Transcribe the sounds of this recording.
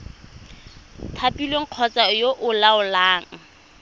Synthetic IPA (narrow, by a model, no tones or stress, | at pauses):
tʰapilweŋ̩q͡χʰɔt͡sajoʔʊlaʊlaːŋ̩